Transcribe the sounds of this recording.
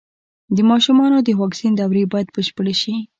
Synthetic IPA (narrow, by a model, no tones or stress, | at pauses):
d̪əmɑʃumɑnod̪əwɑksind̪awɾebɑjad̪bəʃpəɽeʃi